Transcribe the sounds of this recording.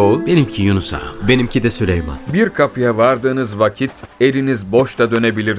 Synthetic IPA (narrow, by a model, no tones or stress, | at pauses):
obe̞nimcʰijunusa̰be̞nimcʰid̪ɛsylʲejma̰nbiɾkʰapʰɯjavaɾd̪ɯːnɯzvacʰit̪ʰe̞ɾinizbo̞ʃt̪ad̪ø̞ne̞bilʲiɾ